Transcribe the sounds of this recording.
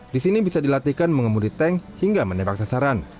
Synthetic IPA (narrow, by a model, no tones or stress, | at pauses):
disinibisadilat̪ikanməŋəmudit̪ɛŋhiŋɡamənebak̚sasaɾan